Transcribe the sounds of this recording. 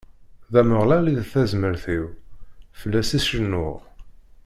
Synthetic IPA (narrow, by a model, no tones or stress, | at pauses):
ðæməʁlæliðθæzməɾθiwfəlːæsisʃənːʊʁ